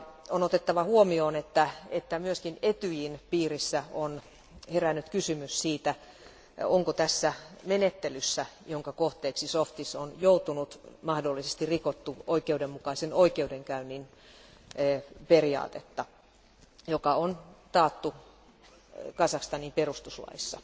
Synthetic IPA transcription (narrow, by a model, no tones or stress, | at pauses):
onot̪et̪ːɑʋɑhuomioːnet̪ːæet̪ːæmyøskinet̪yjinpiːrisːæon | herænːyt̪kysymyssiːt̪æ | oŋkot̪æsːæmenet̪ːelysːæjoŋkɑkoht̪eːksisoft̪isonjout̪unut̪mɑhdolːisest̪irikot̪ːuoikeudemmukɑisenoikeudeŋkæynːinː | periɑ̰ːt̪et̪ːɑ | jokɑont̪ɑːt̪ːu | kɑsɑkst̪ɑniːmperust̪uslɑ̰isːɑ̰